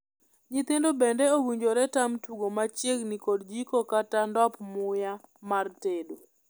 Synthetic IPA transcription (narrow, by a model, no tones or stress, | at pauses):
ɲit̪ɪndobɛndɛowiɲd͡ʒoɾɛtamtuɡomat͡ʃjeɡnikodd͡ʒikokatandɔpmʊjamartedo